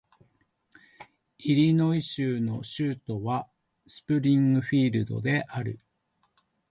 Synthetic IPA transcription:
iɾʲino̞iɕɨːno̞ɕɨːt̪o̞βa | sɨ̥pɯ̟ɾʲĩŋɡɯ̟ɸʲiːɾɯ̟d̪o̞̰d̪e̞ʔaɾɯ̟

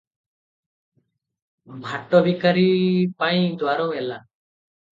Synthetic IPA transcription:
bʱaʈɔbikaɾipaj̃d̪waɾɔwɛla

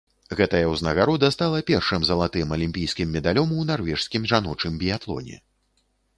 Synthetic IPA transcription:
ɣɛt̪ɐjɐwznɐɣaɾɔd̪ɐst̪alˠɐpʲɛrʂɨmzɐlˠat̪ɨmɐlʲimʲpʲijskʲimːʲɛd̪alʲɔmwnarvʲɛʂskʲimʐanɔt͡ʂɨmbʲijat̪lˠɔ̰nʲɛ̰

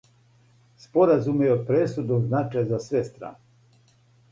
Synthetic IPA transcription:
spo̞ɾazumejod̪̚pɾesud̪omznat͡ʃajzasʋest̪ɾa̰ːne

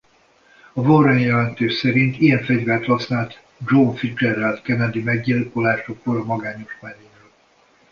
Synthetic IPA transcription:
ɒvorɛɲjɛlɛnt̪eːʃsɛɾint̪ijɛɱfɛɟvɛrt̪hɒsnaːlt̪ | d͡ʒoːɱfid͡ʒɛɾɛlt̪kɛnɛd̪imɛɡɟilkolaːʃokroːlɒmɒɡaːɲo̞ʃmɛneːnøl

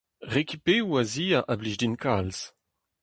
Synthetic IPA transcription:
ʁekipewaziːaʔabliʒdinkals

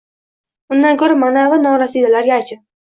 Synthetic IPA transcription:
ʊnd̪ankʰoɾamanavanɒɾasid̪alaɾɡʲaːt͡ʃʰɪ

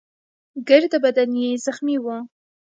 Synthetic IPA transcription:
ɡəɾd̪əbad̪anjezaxmiwə

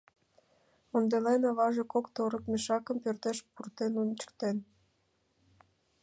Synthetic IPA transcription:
ond̪elenɑβɑʒekokt̪oɾəkmeʃɑkə̆mpørt̪eʃpurt̪enunt͡ɕə̥kt̪en

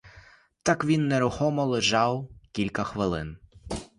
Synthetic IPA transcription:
t̪ɑkʋʲinːeɾʊxɔmɔlˠeʒɑwkʲilʲkɐxʋɪlˠɪ̰n

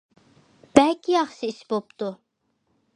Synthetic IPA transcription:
b̥ælcʲʰijɑχʃiisbop̚t̪u

